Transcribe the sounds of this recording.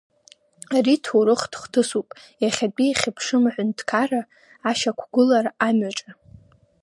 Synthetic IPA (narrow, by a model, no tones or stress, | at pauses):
aritʰuɾɨχdχʷtʰɨsupʼjaχʲat͡pʼiaχʲɪpʰʂɨmħʷʊntʰkʰaraː | ʃakʷʰɡʷʊlaramɥaʈ͡ʂʼa